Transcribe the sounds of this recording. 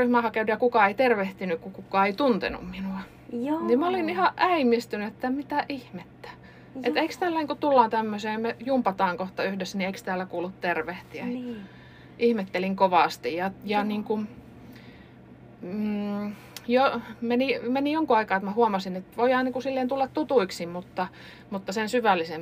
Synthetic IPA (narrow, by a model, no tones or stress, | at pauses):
yhmæhɑkenujɑkukɑeit̪erʋeht̪ynykkukukːˑɑeit̪unt̪ḛnṵmminuɑ | nimæolinihɑʔæimist̪ynyet̪ːæmit̪æʔihmet̪ːæ̥ | ʔet̪eikst̪æːlːæniːŋkut̪ulːɑːnt̪æmːøseːmejumpɑt̪ɑːŋkoht̪ɑyhdesːænieikst̪æːlːækuːlːut̪t̪erʋeht̪iæ | ʔihmet̪ːeliŋkoʋɑˑst̪ijjɑjɑniːŋku | jomenimenijoŋkuɑikɑːet̪mæhuɑmɑsinet̪ʋoiɑnniːŋkusilːeːnt̪ulːɑt̪t̪ut̪uiksimmut̪ːɑ | mut̪ːɑsensyʋælːisem